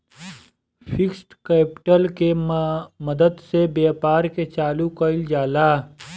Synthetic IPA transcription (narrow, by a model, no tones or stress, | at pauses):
fʰɪksʈkɛːpɪʈəlke | mɐd̪əd̪sebeːpaːɾket͡ʃaːlukəɪld͡ʒaːlaː